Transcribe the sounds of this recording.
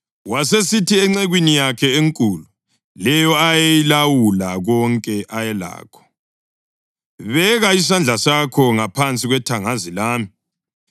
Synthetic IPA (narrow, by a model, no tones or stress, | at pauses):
wasesitʰiɛŋ͡ǀɛɣwinijakʰɛeŋkʼuːlu | lɛjɔajejilawulaɣɔŋkʼɛʔajɛla̰ːkʰɔ̥ | βɛɣais̬and͡ɮʱasakʰɔŋapʰant͡sʼiɣwɛtʰaŋazilaːmi